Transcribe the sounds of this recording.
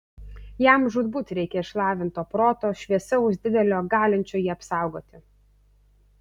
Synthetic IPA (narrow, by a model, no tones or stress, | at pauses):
jæˑmʒʊd̪bʊt̪ɾʲɛɪkʲɛɪʃlˠɑːʋʲɪnt̪oːpɾoːt̪oːʃʲʋʲiɛsʲɛʊzʲd̪ʲɪd̪ʲɛlʲoːɡɑːlʲɪnʲt͡ʃʲoːjiːɐpsɑˑʊɡoːt̪ʲɪ